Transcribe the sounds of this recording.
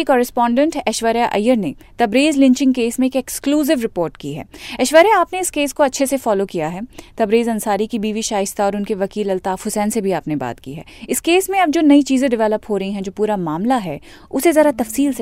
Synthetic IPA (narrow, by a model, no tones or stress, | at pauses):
ikɔːɾɪspɔ̃ːɳɖə̃ɳʈɛʃʋəɾjaʔɐ̰jːəɾne | t̪ɐbɾeːzlɪ̃ɲt͡ʃɪ̃ŋɡkeːsmẽeːkɛkskluːzɪʋɾɪpoːɾʈkiɦɛ̰ːɛʃʋəɾjaaːpneɪskeːskoɐtːʃʰesefɔːlokijaɦɛːt̪ɐbɾeːzɐnsaːɾikibiːʋiʃaːɪst̪aɔːɾʊnkeʋɐkiːlɐlt̪aːfhʊsɛːnsebʱiaːpneba̰ːt̪kḭɦɛ̰ːɪskeːsmẽɐb̚d͡ʒoːnɐit͡ʃiːzẽɖɪʋɛːləpɦoːɾɐɦiɦɛ̃d͡ʒoːpuːɾamaːmlaɦɛ̰ː | ʊsezɐɾat̪ɐfsiːls